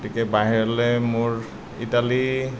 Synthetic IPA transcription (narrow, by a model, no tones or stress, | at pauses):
tikɛbaɦiɹɔlɛmʊɹ | ḭtali